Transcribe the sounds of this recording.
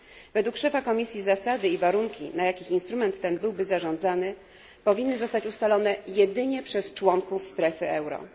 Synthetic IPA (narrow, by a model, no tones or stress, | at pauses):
vɛd̪wukʂɛfakɔmʲisʲjizasad̪ɘivaɾuŋkʲḭnajakʲixinst̪ɾumɛnt̪ːɛnbɘwbɘzaʐɔ̃nd̪zanɘ | pɔvʲinːɘzɔst̪at͡ɕust̪alɔnɛjɛd̪ɘɲɛpʂɛst͡ʂwɔŋkufst̪ɾɛfɘɛwɾɔ̰